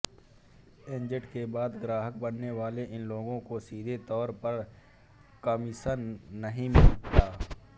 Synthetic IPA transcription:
ɪ̃nd͡ʒəʈkebaːd̪ɡɾaːɦək̚bɐnːeʋaːleʔɪnloːɡõkosiːd̪ʱet̪ɔːɾpɐɾ | kaːmisənɐɦĩmɪlt̪aː

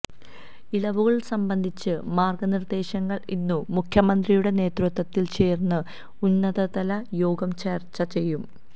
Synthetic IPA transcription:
ilɐʋuɣɐɭsɐmbɐnd̪ʱit͡ɕːɨmaːrɡɐnird̪e̞ːɕɐŋːɐɭinːumukʰjɐmɐnd̪rijuɽe̞ne̞ːt̪rut̪ːɐt̪ːilt͡ɕe̞ːrnːɨ | unːɐðɐðɐlɐjo̞ːɡɐmt͡ɕeːrt͡ɕːɐt͡ɕe̞jːum

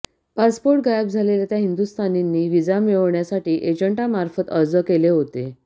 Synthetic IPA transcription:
paspoɾʈ̚ɡajb̚d͡zʱalelat̪jaɦind̪ust̪ʰaninːiːʋid͡zamiʋɳjasaʈiːʔed͡ʑəɳʈamaɾfət̪əɾd͡zəkeleɦot̪e

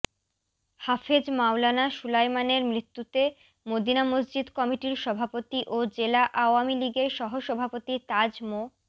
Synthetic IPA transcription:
hafed͡ʑmawlanaʃulajmaneɾmɾit̪ːut̪e | mod̪inamosd͡ʑid̪kɔmiʈiɾʃɔbʱapot̪iʔod͡ʑelaʔaoamiliɡeɾʃɔɦoʃɔbʱapot̪it̪ad͡ʑmo

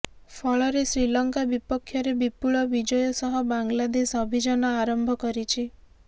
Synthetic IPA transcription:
pʰɔɭɔɾesɾilɔŋkabipɔkʰːjɔɾebipuɭɔbid͡ʒɔjɔsɔɦɔbaŋlad̪esɔbʱid͡ʒɔnɔaɾɔmbʱɔkɔɾit͡ʃʰi

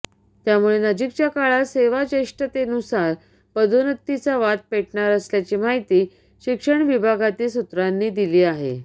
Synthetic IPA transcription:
t̪jamuɭenəd͡ʑikt͡ɕjakaɭaseʋad͡ʑeʂʈət̪enusaɾ | pəd̪ʱonət̪ːit͡saʋat̪̚peʈɳaɾəsljat͡ɕimaɦit̪iː | ɕikʂəɳʋibʱaɡat̪iːsut̪ɾanːiːd̪iliːaɦḛ

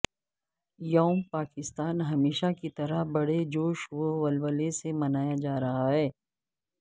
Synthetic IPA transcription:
jɐːmpaːkɪst̪aːnɦɐmeːʃakit̪ɐɾəɦbɐɽed͡ʒoːʃʋoʋɐlʋəlesemɐnaːjad͡ʒaːɾɐɦaɦɛː

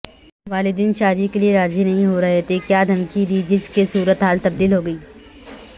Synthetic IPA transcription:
ʋaːlɪd̪iːnʃaːd̪ikelieɾaːd͡ʒinɐɦĩɦoɾɐɦet̪ekjaːd̪ʱɐmkid̪iːd͡ʒɪskesuːɾət̪ɦaːlt̪ɐb̚d̪iːlɦoːɡɐiː

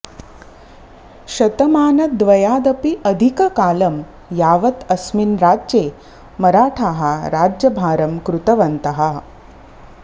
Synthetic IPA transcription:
ɕɐt̪ɐmaːnɐd̪ʋɐjaːd̪ɐpiʔɐd̪ʱikɐkaːlɐm | jaːʋɐt̪ɐsminɾaːd͡ʒd͡ʒeː | mɐɾaːʈʰaːɦɐɾaːd͡ʒjɐbʱaːɾɐmkɾut̪ɐʋɐnt̪ɐɦɐ

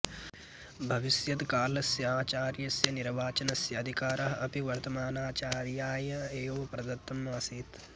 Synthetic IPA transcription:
bʱɐʋisjɐt̪kaːlɐsjɐaːt͡ʃaːɾjɐsjɐniɾʋaːt͡ʃɐnɐsjɐːd̪ʱikaːɾɐɦɐɐpiʋɐɾt̪ɐmaːnaːt͡ʃaːɾjaːjɐeːʋoːɐpɾɐd̪ɐt̪ːɐmaːsiːt̪

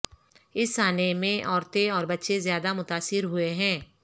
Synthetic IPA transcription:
ɪsːaːnemẽʔɔːɾt̪ẽɔːɾbətːʃezjaːd̪amʊt̪aːsɪɾɦʊeɦɛ̃ː

